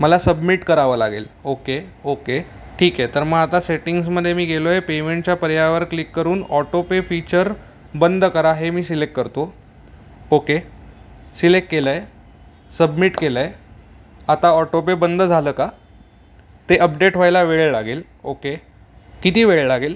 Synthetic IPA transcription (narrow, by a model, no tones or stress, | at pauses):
məlasəbmiʈkəɾaʋəːla̰ɡḛloke | oke | ʈʰiːkjet̪əɾməɡat̪aseʈiŋɡsməd̪ʱːjemiːɡʱelojepemeɳʈt͡ɕjapəɾjaʋəɾklikːəɾuːnɔʈopefit͡ɕəɾ | bənd̪ʱkəɾaɦemiːsilek̚ʈ̚kəɾt̪o | oke | silek̚ʈkelae | səbmiʈkelaj | at̪aɔʈop̬ebənd̪ʱd͡zʱaləːka | t̪eʔəp̚ɖeʈʋajlaʋeɭelaɡel | oke | kit̪iːʋeɭlaɡel